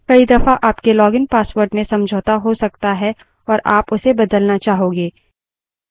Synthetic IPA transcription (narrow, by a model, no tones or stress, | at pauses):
kɐid̪ɐfaʔaːpkelɔːɡɪnpaːswəɾɖmẽsɐ̃md͡ʒʱoːt̪aɦosɐk̚t̪aɦɛ | ɔːɾʔaːpʊsebɐd̪əlnat͡ʃaːɦõːɡeː